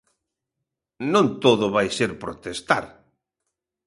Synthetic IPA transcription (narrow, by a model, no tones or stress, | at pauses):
nõnt̪oðʊβajseɾpɾot̪est̪a̰ɾ